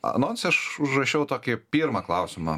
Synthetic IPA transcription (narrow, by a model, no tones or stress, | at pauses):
ɐ̰noːnsʲɐʃʊʒrɐʃʲɛʊt̪oːkʲɪpʲiːɾmɐklˠɐʊsʲɪmɐ̰